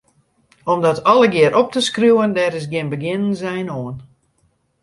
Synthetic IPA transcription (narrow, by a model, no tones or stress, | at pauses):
ɔmdɔtʰɔləɡɪəɾʔɔp̚təskruwəndɛrɪsɡɪnbəɡɪnɪŋzɛjnoən